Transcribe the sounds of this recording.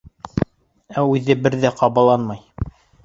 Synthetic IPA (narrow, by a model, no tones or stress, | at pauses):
æʉðɘbɘɾðæqʰɑβɑlˠɑnmɑj